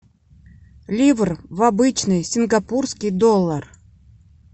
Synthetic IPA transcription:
lʲivrvabɨt͡ɕnɨjsʲinɡapurskʲijd̪olˠːar

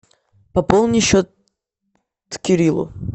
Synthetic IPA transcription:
pɐpolˠnʲɪɕot̪ | t̪kʲɪɾʲilˠʊ̰

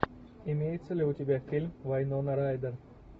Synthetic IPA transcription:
imʲeːj̪səlʲeut̪ʲibʲafilmʋajnonɐɾaːjd̪ɐɾ

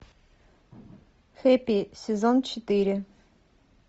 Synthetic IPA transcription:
xɛpisʲɛzɔnt͡ʃɛt̪iɾɪ

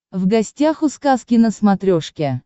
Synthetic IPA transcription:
vɡɐsʲtʲaxʊskaskʲɪnəsmɐt̪ɾʲoʂkʲe

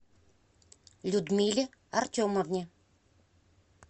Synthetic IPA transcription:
lʲud̪mʲilʲɪ | artʲoməvnʲɪ

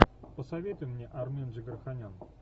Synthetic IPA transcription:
pəsɐvʲet̪ʊjmnʲeʔarmʲenʐəɡʲərxanʲan

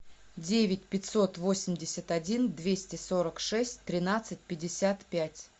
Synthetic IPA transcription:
dʲevʲɪtʲpʲɪtʲso̞t̪vo̞sʲɪmʲdʲɪsʲət̪ɐdʲind̪vʲesʲtʲɪso̞ɾəkʂɛsʲtʲt̪ːɾʲɪnat̪sɨt̚ʲpʲɪdʲɪsʲat̪pʲætʲ

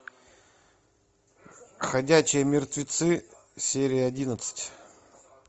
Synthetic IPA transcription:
xɐdʲæt͡ɕɪjəmʲɪrt̪vʲɪt̪sɨ | sʲeɾʲɪjəɐdʲinət̪sɨ̥tʲ

